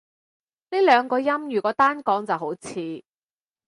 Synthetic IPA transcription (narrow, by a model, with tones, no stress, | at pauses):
ni˥lœː˨˧ŋkɔː˧jɐ˥mjyː˨˩kɔː˨˥t̪aː˥nkɔː˨˥ŋt͡sɐ˨wɦo˨˥wt͡sʰiː˨˧